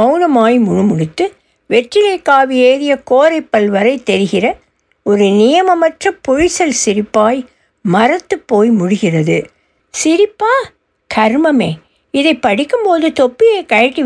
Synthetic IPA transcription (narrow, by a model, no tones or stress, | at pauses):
ɐʊnɐmaːjmʊɻɯmʊɽɪt̪ːɯ | ʋɛʈrɪlɐɪkːaːʋɪeːɾɪjɐkoːɾɐɪpːɐlʋɐɾɐɪt̪ːɛɾɯɣɪrɐ | ɔɾɯnɪjɐmɐmɐʈrɐpɔɻɪsɐlsɪɾɪpːaːj | mɐɾɐt̪ːɯpːoːjmʊɽɪɣɪrɐðɯ | sɪɾɪpːaː | kʰɐɾmɐmeː | ɪðɐɪpːɐɽɪkːɯmpoːðɯt̪ɔpːɪjɐkɐɻɐʈːi